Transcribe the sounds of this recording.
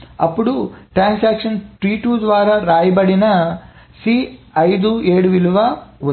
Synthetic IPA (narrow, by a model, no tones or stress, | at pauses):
ɐpːuɽuʈɾaːnsaːkʂɐnʈɾiːʈuːd̪ʋaːɾaːɾaːjɐbɐɽinɐ | siː | ɐjd̪ueːɽuʋiluʋɐʋ